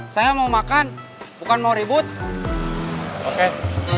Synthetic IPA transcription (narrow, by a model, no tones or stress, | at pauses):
sajamaumakan | bukanmauɾibut̪̚ | oke